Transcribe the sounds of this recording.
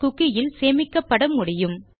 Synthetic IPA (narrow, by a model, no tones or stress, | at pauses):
kʊkːɪjɪlseːmɪkːɐpːɐɽɐmːʊɽɪjɯm